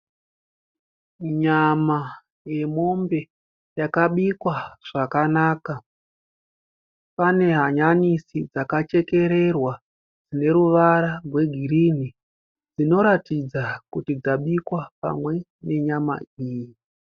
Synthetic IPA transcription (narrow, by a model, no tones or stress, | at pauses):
ɲama | je̞mo̞mbe̞ | jakaɓikwaʐ̥akanaːka | pane̞ɦaɲanisid͡zakat͡ʃe̞ke̞ɾe̞rwa | d͡zine̞ɾuʋaɾarwe̞ɡʱiɾini | d͡zino̞ɾatid͡zakutid͡zaɓikwapa̰mwe̞ | ne̞ɲama̰iːji